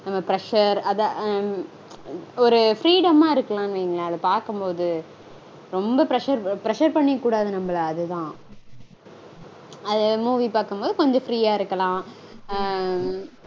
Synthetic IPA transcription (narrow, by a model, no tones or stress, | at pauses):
nɐmːɐpɪɾɛʂɐɾɐða | ɔɾɯfɾiːɽɐmaːɪɾɯkːɐlãːɪnʋiːŋɡɐɭãːɐðɐpaːɾkɯmpoːðɯ | ɾɔmbɐpɪɾɛʂɐɾpɪɾɛʂɐɾpɐɳːɪkːuːɽaːðɯnɐmːɐɭɐːðɯt̪ãː | ɐðɯmuːʋipaːɾkɯmpoːðɯkɔɲd͡ʒɔ̃fɾiːaːɪɾɯkːɐlãː